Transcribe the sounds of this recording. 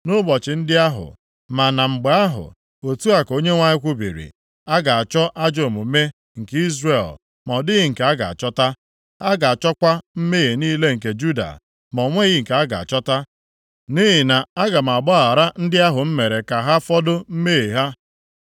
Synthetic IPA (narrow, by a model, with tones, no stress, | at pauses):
nʊ˦bɔ˨t͡ʃɪ˨n̩˦dɪ˦a˦ɦʊ̰˨ | ma˨na˨ŋ͡m̩˨ɡ͡ba˨a˦ɦʊ̰˨ | o˨tu˦a˨ko˦ɲe˦ŋʷa˦ɲɪ˦kʷu˦bḭ˨ɾḭ˨ | a˦ɡa˨a˨t͡ʃɔ˦ʔa˦d͡ʒo˨mʊ˨˦me˦ | ŋ̩˨ki˦zɾe˦˨l | mɔ˨dɪ˦ɣɪ˨ŋ̩˨ka˨a˦ɡa̰˨a̰˨t͡ʃɔ˦ta˦ | a˦ɡa˨a˨t͡ʃɔ˦kʷa˦m̩˦me˦e˨niː˦le˦ŋ̩˨k̬e˨d͡ʒu˦da̰˨ | mɔ˨ŋʷe˦ɣɪ˦˨ŋ̩˨ka˨a˦ɡa̰˨a̰˨t͡ʃɔ˦ta˦ | ni˦ɦɪ˨na˨a˦ɡa˨m̩˨a˨bɔ˦a˨ɾa˦n̩˦dɪ˦a˦ɦʊ˨m̩˦me˨ɾe˨ka˨ɦa˦fɔ˦do˦m̩˦me˦ɣe˨ɦa˦